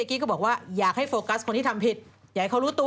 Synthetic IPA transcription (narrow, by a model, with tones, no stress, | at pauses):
e˧kiː˦˥kɔː˥˩bɔː˨˩k̚waː˥˩jaː˨˩k̚ha˥˩jfoː˧ka˦˥skʰo˧ntʰiː˥˩a˧mpʰi˨˩t̪̚jaː˨˩jkʰa˧˥˩ɾuː˦˥t̪u˧